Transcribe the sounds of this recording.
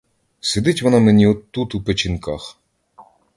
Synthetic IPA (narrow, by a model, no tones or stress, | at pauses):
sed̪ɪtʲʋɔnɑmenʲiɔt̪ːut̪upet͡ʃʲinkɑ̰x